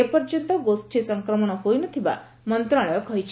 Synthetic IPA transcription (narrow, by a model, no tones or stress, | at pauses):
epɔɾt͡ʃɔnt̪ɔɡosʈʰisɔŋkɾɔmɔɽ̃ɔɦojnɔt̪ʰiba̰ | mɔnt̪ɾaɭɔjɔkɔɦit͡ʃʰ